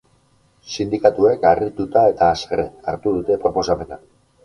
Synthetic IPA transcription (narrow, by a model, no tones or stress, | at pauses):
sind̪ikat̪ue̞karit̪ut̪ae̞t̪aːserea̰ɾt̪uð̞ut̪e̞pɾo̞po̞sape̞na